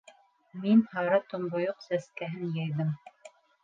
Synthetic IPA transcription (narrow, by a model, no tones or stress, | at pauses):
minhɑɾɤt̪ŏmbŏjoqsæskæɦɘnjæjðɘm